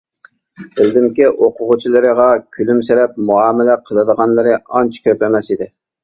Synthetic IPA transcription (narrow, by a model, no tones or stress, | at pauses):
b̥ɪld̪ɪmkʲiʔoqʰʊʁʊt͡ʃʰilˠɨɾəʁɑkʲʰylymseɾɛp̚muɑːmɪlɛqʰəlˠɨd̪əʁɑnlˠɨɾɨɑnt͡ʃʰkʲʰøplɛmɛsid̪ɪ